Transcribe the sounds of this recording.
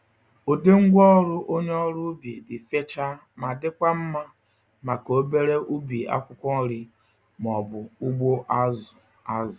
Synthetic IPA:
o˨de˦ŋ̩˦ɡʷɔ˦ɾʊ˦ʔo˦ɲ˦ɔ˦ɾʊ˦bi˨dɪ˨fe˦t͡ʃa˦ | ma˨dɪ˦kʷa˦m̩˦ma˦ | ma˨ko˨o˦be˦ɾe˦ʔu˦bi˨a̰˦kʷʊ˦kʷɔ˦ɾi˦ | m˨ɔ˨bʊ˨u˦ɡ͡bo˦ʔa˦zʊ˨ | a˦zʊ˨

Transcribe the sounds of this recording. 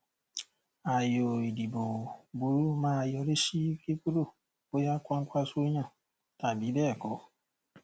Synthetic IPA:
a˨jɔ˨i˨di˨bo˨bu˨˦ɾu˦maː˦˨jɔ˨ɾe˦ʃi˦ke˦ku˦ɾo˦˨ | bo˦ja˦kʷa˦ŋ̩˦kʷa˦so˦ɲa˦˨ | ta˨bi˨˦ɛ˦˨kɔ˨˦

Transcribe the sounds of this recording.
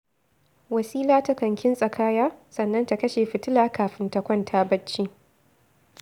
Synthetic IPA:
wɐ˨sʼiː˦laː˦ta˦kɐ˨ŋkʲʰɪ˦nsʼɐ˨kʰaː˦jaː˦sɐ˨nːɐ˦nta˨kɐ˦ʃeː˨ɸɪ˨tɪ˦laː˦kaː˨ɸɪ˦ntɐ˨kʷɔ˦ntʰaː˦bɐ˦t͡ʃːiː˦

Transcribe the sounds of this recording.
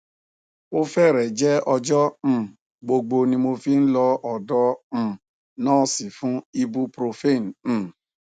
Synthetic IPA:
o˦fɛ˦˨ɾɛ˨d͡ʒɛ˦ɔ˧d͡ʒɔ̃˦˨ | ɡ͡bo˧ɡ͡bo˧nĩ˧mo˧fi˧˦n̩˦lɔ˧ɔ˨dɔ̃˧˦˨ | nãː˦˨si˨fũ˨˦i˧bu˧pɾo˧fe˦˨ñ̩˨

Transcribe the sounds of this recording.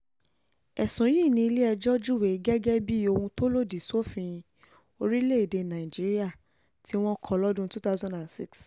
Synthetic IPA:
ɛ˨sũ˨˦ji˦˨nĩ˧i˧le˦ɛ˧d͡ʒɔ˦d͡ʒu˦˨we˨˦ɡɛ˦ɡɛ˦bi˦o˧hũ˧to˦lo˦˨di˨so˦fĩ˧ĩ˧ | o˧ɾi˦le˦i˨de˨˧nã˨i˨d͡ʒi˨˦ɾi˦a˦˨ | tʰi˦w̃ɔ̃˦kʰɔ˧˨lɔ˦dũ˦tu˦ta˦zɔ̃˦nda˨nsḭ˦ks

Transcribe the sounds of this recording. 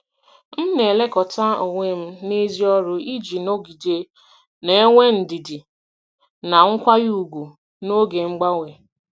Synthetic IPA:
m̩˦ne˨le˦kɔ˨ta˦o˨ŋʷe˦m̩˦ne˦zi˦ɔ˦ɾʊ˦i˦d͡ʒi˨no˦ɡi˨de˦ | ne˦e˦ŋʷe˦n̩˨di˨di˨ | na˨ŋ̩˦kʷa˦ɣi˦u˨ɡʷu˨ | no˦ɡe˨ŋ͡m̩˦ɡ͡ba˦ŋʷe˨

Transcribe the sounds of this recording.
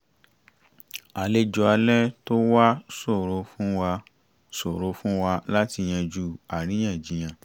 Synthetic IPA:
a˨le˦d͡ʒɔ˧a˧lɛ˦to˦wa˦so˦˨ɾo˧fũ˦wa˧ | so˨ɾo˧˦fũ˦wa˧la˦ti˧j̃ã˧d͡ʒu˦a˨ɾ̃ĩ˨˦j̃ã˦˨d͡ʒi˨j̃ã˧˨

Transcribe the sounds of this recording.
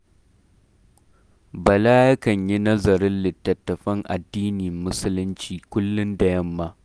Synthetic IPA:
bɐ˨laː˦jɐ˦kɐ˨ɲji˦nɐ˦zɐ˨ɾɪ˦nlɪ˨tːɐ˨tːɐ˨ɸɐ˦ŋʔa̰˨dːiː˦ni˨mːʊ˦sʊ˦lʊ˦nt͡ʃiː˨kʷʊ˦lːʊ˦nda˨jɐ˦mːaː˦

